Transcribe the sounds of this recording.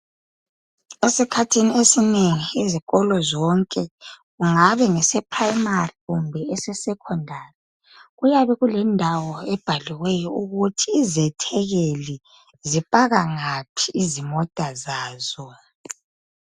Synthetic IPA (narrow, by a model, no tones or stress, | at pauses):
esikʰatʰiniesineŋiiziɣɔlɔzɔŋkʼɛɣuŋaβɛŋɛsɛpʰrajmariɣumbʱɛɛsɛsɛkʰɔndʱarɛ | ɣujaβɛɣulɛndʱawɔɛb̥ʱaliwɛjɔuɣutʰiːzɛtʰɛɣeli | zipʼaɣaŋapʰiʔizimɔd̥ʱazaːz̥ɔ